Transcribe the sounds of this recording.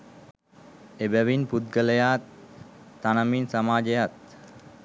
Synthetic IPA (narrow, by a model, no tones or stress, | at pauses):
ebæʋinput̪̚ɡələjaːt̪ː | anaminsamaːd͡ʒejat̪̚